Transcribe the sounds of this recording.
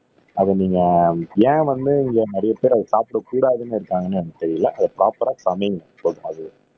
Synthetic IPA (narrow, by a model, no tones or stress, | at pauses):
ɐðɛniːŋɡɐjẽːʋɐnd̪ɯɪŋɡeːnɛɾɐjɐpeːɾɐðɯsaːpɪɽɐkːuːɽaːðɯnɪɾɯkːaːŋɡɐnːɯɛnːɐt̪ɛɾɪjɪlːɐʔɐðɐpɪɾaːpːɐɾaːsɐmɐjɐŋɡɐpoːðɯmɐðɯ